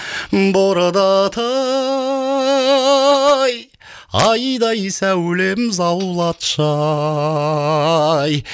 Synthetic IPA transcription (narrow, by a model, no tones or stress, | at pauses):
mboɾəd̪ɑt̪ʰɑ | j | ɑjd̪ɑjsæwle̞mzɑwlˠɑt̪ʃɑ | j